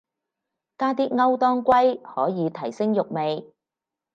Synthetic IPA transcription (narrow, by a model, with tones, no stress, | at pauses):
kaː˥t̪iː˥ŋɐ˥wt̪ɔː˥ŋkʷɐ˥jhɔː˨˥jiː˨˧t̪ʰɐ˨˩jsɪ˥ŋjʊ˨k̚me˨j